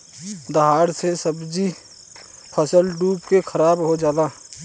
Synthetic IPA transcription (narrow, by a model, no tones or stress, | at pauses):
d̪əɦaːɾsesəbd͡ʒi | pʰəsəlɖuːpkekʰəɾaːbɦod͡ʒjaːd̪aː